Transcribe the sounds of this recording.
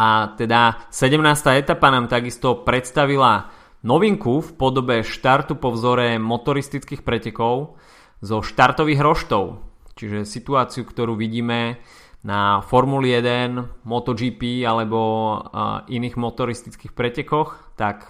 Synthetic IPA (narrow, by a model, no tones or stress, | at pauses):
ʔat̪ɛd̪asɛɟɛmnaːst̪aːɛt̪apanaːmt̪aɡist̪ɔpɾɛt̪st̪aʋila | nɔʋiŋkufpɔd̪ɔbɛʃt̪aɾt̪upɔʋzɔɾɛmɔt̪ɔɾist̪it͡skiːxpɾɛcɛkɔʊ | zɔʃt̪aɾt̪ɔʋiːɣɾɔʃt̪ɔʊt͡ʃiʒɛsit̪uaːt͡siukt̪ɔɾuːʋiɟiːmɛ | nafɔɾmulijɛd̪ɛnmɔt̪ɔd͡ʒiːpiːalɛbɔ | ʔiniːɣmɔt̪ɔɾist̪it͡skiːxpɾɛcɛkɔx | t̪ak